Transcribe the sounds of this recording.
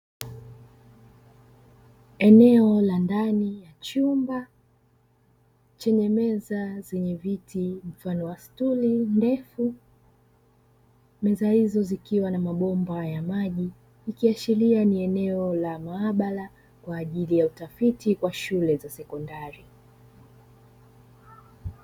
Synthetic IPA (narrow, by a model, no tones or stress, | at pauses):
ɛnɛɔlandanijat͡ʃumba | t͡ʃɛɲɛmɛzazɛɲɛvitʰim̩fanɔwastulindɛfu | mɛzahizɔzikiwanamaɓɔmbajamaʄiː | kiat͡ʃilianiɛnɛɔlamaaɓala | kwaːʄilijautafitikwaʃulɛzasɛkɔndaɾi